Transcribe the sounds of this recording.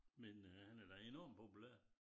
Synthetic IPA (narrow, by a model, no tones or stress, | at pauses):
menəhænæɐd̥æenɒːmpʰopulæ̰ɐ̰